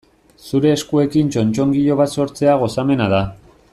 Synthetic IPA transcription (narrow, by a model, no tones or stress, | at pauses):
suɾe̞ːskue̞kint͡ʃo̞nt͡ʃo̞ŋɡiʎo̞β̞at̪so̞ɾt͡se̞aɣ̞o̞same̞nað̞a